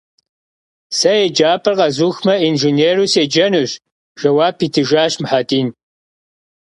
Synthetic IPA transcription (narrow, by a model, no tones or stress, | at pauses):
sɐjed͡ʒaːpʰɐrqɐzuːxmɐinʒineːrused͡ʒɐnɨɕ | ʒ̥ɐwaːpʰːiːtʰɨʒaːɕmħaːdiːn